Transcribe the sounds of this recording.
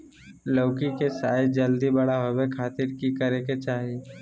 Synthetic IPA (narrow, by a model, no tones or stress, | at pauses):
loːkikesaːjd͡ʒəld̪ibəɽaɦobekʰaːt̪ɪɾkikəɾeket͡ʃaːɦie